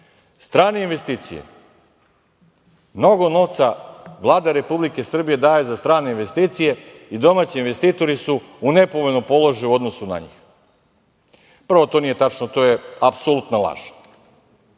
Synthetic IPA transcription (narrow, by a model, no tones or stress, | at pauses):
st̪ɾaːneinʋe̞st̪iːt̪sḭjḛ | mno̞ɡo̞no̞ʋt̪saʋlˠaːd̪aɾe̞publike̞sr̩bije̞d̪aːjezast̪ɾaːneinʋe̞st̪iːt̪sije̞id̪o̞maːt͡ɕiinʋe̞st̪iːt̪o̞ɾisu | une̞poʋonopo̞lˠoʒajuo̞d̪nosuna̰ɲḭːx | pr̩ʋo̞t̪o̞ːnije̞t̪at͡ʃnot̪ojeapsolˠut̪nolˠa̰ʒe̥